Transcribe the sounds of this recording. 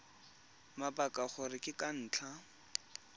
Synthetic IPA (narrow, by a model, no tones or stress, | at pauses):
mapakaχʊɾɪkʼɪkan̩ːt͡ɬʰa